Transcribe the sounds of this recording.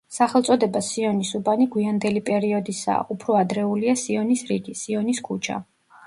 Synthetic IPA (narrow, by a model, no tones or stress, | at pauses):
saχɛlˠt̪sʼɔd̪ɛbasiɔnisubaniɡwiand̪ɛlipʼɛɾiɔd̪isa̰ːʔupʰɾɔad̪ɾɛuliasiɔnisɾiɡisiɔniskʰut͡ʃʰa̰